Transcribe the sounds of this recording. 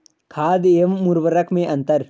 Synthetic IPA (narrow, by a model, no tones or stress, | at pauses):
kʰaːd̪eəmːuɾʋəɾəkʰmẽʔɐ̃nt̪əɾ